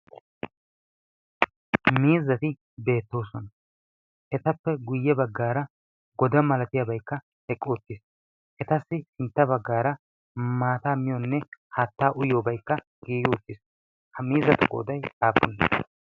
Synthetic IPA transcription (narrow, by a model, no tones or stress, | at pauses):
miːzːɐt̪ɪ | be̞ːt̪ːo̞ːsɔnɐ | ʔɛt̪ɐpːɛɡʊjːɛbɐɡːaːɾɐ | ɡɔd̪ɐmɐlɐt̪ɪjɐbɐjkːɐ | ɛkʼːɔɔt̪ːɪs | ʔɛt̪ɐsːɪhɪnt̪ːɐbɐɡːaːɾɐ | maːt̪aːmɪjɔnːɛhat̪ːaːʔʊjoːbɐjkːɐ | ɡ̥iːɡɪwɔt̪ːɪs | hɐmiːzɐt̪ʊkʼo̰ːd̪ɐjaːpːɔn